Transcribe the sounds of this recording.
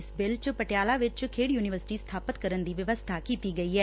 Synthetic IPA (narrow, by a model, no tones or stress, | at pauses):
sbɪlt͡ʃpəʈɪjaːlaʋɪt͡ʃkʰeːɽjuːnɪʋəɾsɪ̥ʈist̪ʰaːpət̪kəɾənd̪iːʋəʋəst̪ʰakiːt̪iɡɐiɦɛː